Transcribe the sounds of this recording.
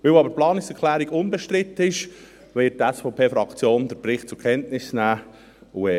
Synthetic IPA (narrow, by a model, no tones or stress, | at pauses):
ʋewɑbəɾplɑːnɪksɛɾkʰχlæːɾiɡʊnbɛʃtɾɪt̪ːəɪʃ | ʋɛːtːæsfɔːpʰeːfɾɑkt͡sjoːnd̪əɾpɾɪχt̚t͡sʊɾkʰɛntnɪsnæː | uɛ